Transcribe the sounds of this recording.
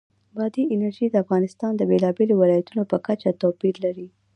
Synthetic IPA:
bɑd̪iɪnaɾʒid̪əafɣɑnɪst̪ɑnd̪əbelɑbelowɪlɑjat̪unopəkat͡ʃat̪opiɾlaɾi

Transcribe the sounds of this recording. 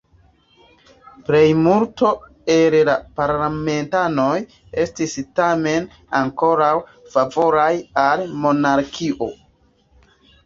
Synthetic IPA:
ple̞jmulto̞ | elelapaɾlame̞ntano̞j | e̞stistame̞n | aŋko̞ɾawfavo̞ɾajalmo̞naɾkʰiʔo̞

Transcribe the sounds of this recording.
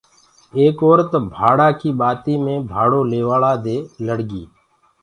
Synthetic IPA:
eːkoːɾət̪bʱaːɽaːkiːɓaːt̪iːmẽːbʱaːɽoːleːʋaːɭaːd̪eːləɽɡiː

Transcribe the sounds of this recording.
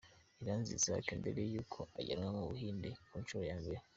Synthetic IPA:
iɾaːnzḭzea̰kondeɾejuːkʰo̞ʔaɟa̰ɾŋamuβuhiːndekuːnʃuɾojaːmbeɾe

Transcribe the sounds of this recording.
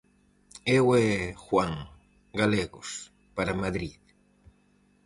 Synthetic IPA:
ewɛxwaŋ | ɡaleɣo̰s | paɾamaðɾið

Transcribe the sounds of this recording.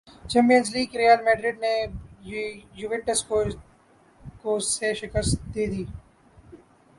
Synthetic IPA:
t͡ʃɛ̃ːmpijənzliːɡɾiːjaːlmɛ̃ːɖɾɪɖne | jʊʋɪʈːəsko | koːseʃɪkəst̪̚d̪eːd̪iː

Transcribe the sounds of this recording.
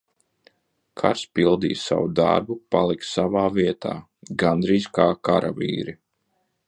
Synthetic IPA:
kʰa̰ɾspilˠd̪iːjsa̰wud̪a̰ɾbupalˠiksavaːviɛt̪ʰa̰ː | ɡand̪ɾiːzkaːkaɾa̰vḭːɾi

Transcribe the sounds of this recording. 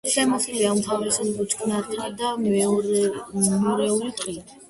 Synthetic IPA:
sɛmɔsuliaumt̪ʰavɾɛsulibʼɔt͡ʃʰkʰnat̪ʰʼd̪a | mɔɾɛulit̪ʼqʼini

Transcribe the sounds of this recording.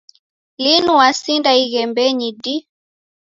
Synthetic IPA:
linuwasindaiɣɛmbɛɲidi

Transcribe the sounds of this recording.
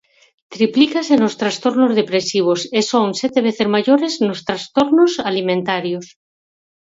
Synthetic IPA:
t̪ɾiplikasenost̪ɾast̪oɾnozð̞epɾesiβ̞osesoŋset̪eβ̞eθezmaʝoɾeznost̪ɾast̪oɾnosalimẽnt̪aɾjos

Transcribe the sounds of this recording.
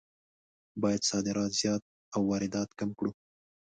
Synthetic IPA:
bɑjad̪sɑd̪ɪɾɑt̪z̥jɑt̪̚ | awːɑɾɪd̪ɑt̪kamkɽu

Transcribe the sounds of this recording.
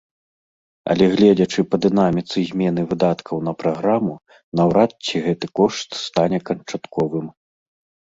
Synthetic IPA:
ɐ̰lʲɛɣlʲɛd͡zʲɐt͡ʂɨpɐd̪ɨnamʲit̪sɨzʲmʲɛn̪ɨvɨd̪at̪kʰɐwn̪ɐpɾaɣɾamu | nɐwɾat̪̚t͡sʲiɣɛt̪ɨkɔʂt̪st̪anʲɛkɐnt͡ʂat̪kɔvɨm

